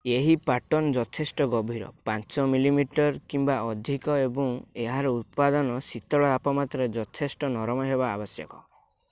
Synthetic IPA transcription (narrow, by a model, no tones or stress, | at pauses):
eɦipaʈɔnd͡ʒɔt̪ʰesʈɔɡɔbʱiɾɔ̰pant͡ʃɔmilimiʈɔɾkimbaɔd̪ʱikɔebɔŋeɦaɾɔut̪̚pad̪ɔnɔsit̪ɔɭɔapɔmat̪ɾed͡ʒɔt̪ʰesʈɔnɔɾɔmɔɦeba̰ːbɔsjɔ̰kɔ̰